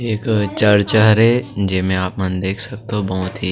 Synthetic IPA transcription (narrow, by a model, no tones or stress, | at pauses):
eːkt͡ʃɐɾt͡ʃəɦɾed͡ʒɪmẽaːpmɐnd̪eːkʰsɐk̚t̪obɔɦʊt̪ɦiː